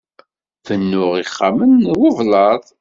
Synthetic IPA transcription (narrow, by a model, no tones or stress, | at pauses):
θənːʊʁiχːamənwʊvlɑðˤ